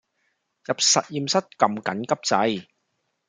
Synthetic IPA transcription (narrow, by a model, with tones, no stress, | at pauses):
jɐ˨p̚sɐ˨t̚jiː˨msɐ˥t̚kɐ˧mkɐ˨˥nkɐ˥p̚t͡sɐ˨˧˥j